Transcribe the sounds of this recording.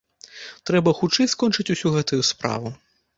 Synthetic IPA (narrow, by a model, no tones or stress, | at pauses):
t̪ɾɛbɐxut͡ʂɛjskɔnt͡ʂɨt͡sʲusʲuɣɛt̪ujuspɾa̰vu